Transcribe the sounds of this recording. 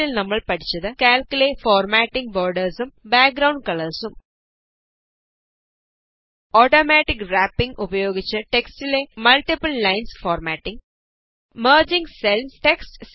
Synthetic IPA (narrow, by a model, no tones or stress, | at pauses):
ilnɐmːɐɭpɐʈʰi̥t͡ɕːɐðɨkaːlkulefoːrmaːʈːiŋɡboːɾɖɐɾsumbaːk̚ɡɾɐwɳɖ̚kɐɭɐɾsum | oːʈoːmaːʈːikraːpːiŋɡʔubɐjoːɡit͡ɕːɨʈeksʈilemɐlʈipɨlːɐjnsfoːɾmaːʈːiŋɡ | mɐːɾd͡ʑiŋɡselsʈeksʈs